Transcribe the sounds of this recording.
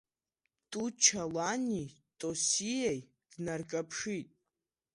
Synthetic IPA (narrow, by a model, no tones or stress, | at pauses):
tʼut͡ʃʰalanitʼosijaj | d̥narkʼapʰʂitʼ